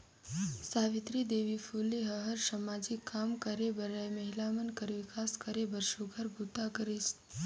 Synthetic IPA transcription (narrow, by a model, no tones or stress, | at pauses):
saːʋɪt̪ɾid̪eːʋifʰuːleɦəɦəɾsəmad͡ʒɪkːaːmkəɾebəɾajmɐɦilamənkəɾʋɪkaːskəɾebəɾʃuɡʱəɾbʱut̪akəɾis